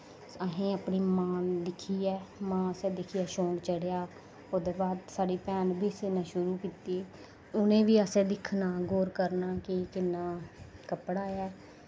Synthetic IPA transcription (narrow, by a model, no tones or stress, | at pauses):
əɦẽːəpniːmãːd̪ɪkʰiːɛːmãːəsẽːd̪ɪkʰiːaːʃõːŋɡt͡ʃəɽjaː | oːd̪eːbaːd̪saːɽiːpɛːnbiːsɪnɛ̃ːʃʊɾuːkiːt̪eː | ʊnẽːʋiːəsẽːd̪ɪkʰnaːɡoːɾkəɾnaːkɪkɪnːaːkəpɽaːɛː